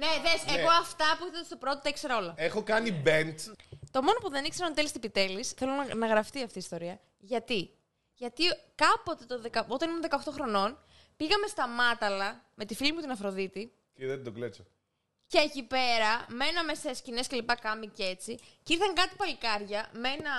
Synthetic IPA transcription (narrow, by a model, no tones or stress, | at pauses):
neðeseɣoɐft̪ɐpuiθɐest̪opɾo̞t̪ot̪ɐikse̞ɾɐo̞lɐexokɐnibe̞nt̪t̪o̞mo̞no̞puðe̞nikse̞ɾɐnt̪elist̪ipit̪e̞lisθe̞lonɐɣɾɐft̪iɐft̪iːst̪o̞ɾiɐ | ʝɐt̪i | ʝɐt̪ikɐpo̞t̪e̞t̪oðekɐo̞t̪ɐnimunðe̞kɐoxt̪o̞xɾo̞no̞n | piɣɐme̞st̪ɐmɐt̪ɐlɐme̞t̪ifilimut̪inɐfɾo̞ðit̪i | ceðed̪oɡlet͡so | ceecipe̞ɾɐme̞nɐme̞sescine̞sce̞lipɐkɐmice̞t͡siciɾθɐŋkɐt̪i̥pɐlikɐɾʝɐmenɐ